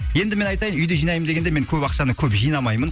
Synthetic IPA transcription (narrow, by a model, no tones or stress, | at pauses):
je̞nd̪ɪme̞nɑjt̪ɑjənʏjd̪eʒijnɑjəmd̪ɡʲe̞nd̪eme̞ŋkʲʰɵpɑqʃɑnəkʲʰɵpʒijnɑmɑjmən